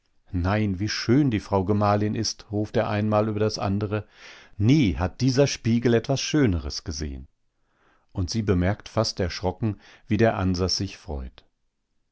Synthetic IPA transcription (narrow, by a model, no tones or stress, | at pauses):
naɪnviːʃøːndiːfʁ̥aʊɡəmaːlɪnʔɪstʁuːfteːɐʔaɪnmaːlyːbɐdasʔa̰ndəʁəniːhat̚d̥iːzɐʃpiːɡl̩ɛtv̥asʃøːnəʁəsɡ̥əzḛːə̰n | ʔʊntz̥iːbəmɛɐktfastɛɐʃʁ̥ɔkŋ̩ | viːdeːɐʔanzasz̥ɪçfʁ̥ɔ̰ʏt